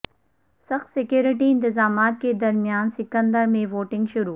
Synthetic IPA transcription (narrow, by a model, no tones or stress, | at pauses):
sɐxt̪sɪkjuːɾɪʈ̬iɪ̃nt̪ɪzaːmaːt̪̚ked̪ɐɾmijaːnsɪkə̃nd̪əɾmẽʋoːʈɪ̃ŋɡʃʊɾuː